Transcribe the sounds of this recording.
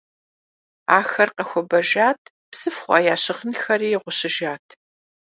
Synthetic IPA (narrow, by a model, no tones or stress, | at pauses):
aːxɐrqɐxʷɔbɐʒaːtʰ | psɨfχʷɑ̰ːjaːɕɪʁənxɐriːʁʷʊɕɪʒaːtʰ